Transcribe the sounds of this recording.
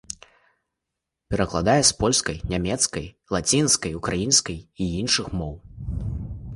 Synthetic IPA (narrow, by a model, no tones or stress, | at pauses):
pʲɛɾɐklˠad̪ajɛspɔlʲskɐjnʲamʲɛt̪skɐjlˠat͡sʲinskɐjukɾajinskɐjiinʂɨxmɔw